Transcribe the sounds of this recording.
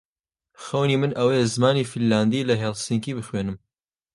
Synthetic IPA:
xɐwniːmɨnʔɐwɐjɛzɨmaːniːfilːaːnd̪iːlɐɦelsiŋkiːbɨxweːnɨm

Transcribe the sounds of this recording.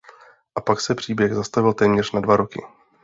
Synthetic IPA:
ʔapaksɛpr̝̥iːbjɛɣzast̪avɪlt̪ɛːmɲɛr̝nadvaɾo̞kɪ̰

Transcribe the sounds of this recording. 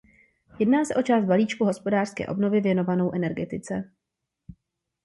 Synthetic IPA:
jɛdnaːsɛʔo̞t͡ʃaːst̪̚baliːt͡ʃkuɦo̞spo̞daːr̥skɛ̰ːʔo̞bno̞vɪvjɛno̞vano̞wʔɛnɛɾɡɛt̪ɪt͡sɛ

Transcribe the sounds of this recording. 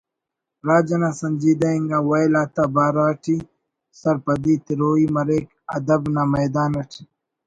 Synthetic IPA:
ɾaːd͡ʒɐnasɐnd͡ʒiːd̪aiŋɡawajlaːt̪abaːɾaːʈʰi | sɐɾpɐd̪it̪iɾoːimɐɾeːk | ɐd̪ɐbnamɐjd̪aːnɐʈʰi̥

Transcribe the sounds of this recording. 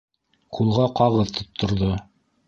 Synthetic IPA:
qʰulˠʁɑqɑʁɤðt̪ʰŏt̪ʰːŏɾðo

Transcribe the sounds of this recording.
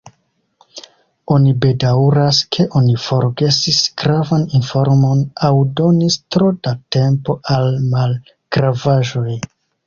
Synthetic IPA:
o̞nibe̞dawɾaskʰe̞ʔo̞nifo̞ɾɡe̞sisɡ̥ɾavaninfo̞ɾmo̞nawdo̞nistɾo̞date̞mpo̞ʔalmal | ɡ̥ɾavaʒo̞j

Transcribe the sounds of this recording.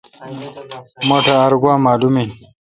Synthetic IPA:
moʈʰaːɾɡwãːmaːlumin

